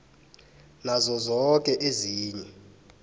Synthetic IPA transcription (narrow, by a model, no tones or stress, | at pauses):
nazɔzɔkʼɛʔeziːɲɛ